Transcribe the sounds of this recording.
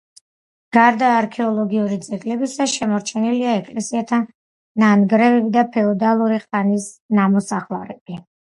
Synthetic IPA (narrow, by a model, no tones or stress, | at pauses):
ɡ̥aɾd̪aːɾkʰɛɔlˠɔɡiuɾid̪zɛɡlɛbisaʃɛmɔɾt͡ʃʰɛniliaɛkʼlɛsiat̪ʰa | nanɡɾɛvɛbid̪apʰɛɔd̪alˠuɾiχanisnamɔsaχlˠaɾɛb̥i